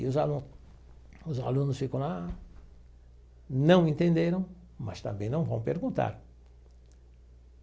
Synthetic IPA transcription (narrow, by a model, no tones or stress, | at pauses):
ʊzaũ | ʊza̰lũnʊsfikɐ̃w̃la | nɐ̃w̃ẽnt̪ẽnd̪eɾɐ̃w̃ | ma̰st̪ɐ̰̃mbẽj̃nɐ̃w̃vɐ̃w̃peɾɡũnt̪a̰ɾ